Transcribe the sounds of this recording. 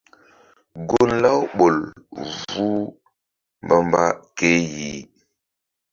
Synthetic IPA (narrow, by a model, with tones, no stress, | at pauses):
ɡu˦nla˦wɓo˨lvu˦ | mba˦mba˦ke˦ji˨